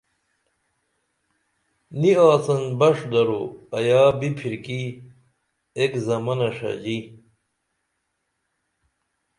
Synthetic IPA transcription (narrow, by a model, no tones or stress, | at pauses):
niaːt͡sɐnbɐʂd̪ɐɾoɐjaːbipʰiɾki | ekzɐmɐnɐʂɐ̰d͡ʑi